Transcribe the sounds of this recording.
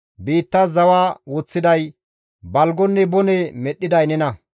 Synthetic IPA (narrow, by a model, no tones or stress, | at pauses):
biːt̪ːɐzɐwaːwɔt͡sːɪd̪ɐj | bɐlɡɔnːɛbɔnɛmɛɗːɪd̪ɐjnɛnɐ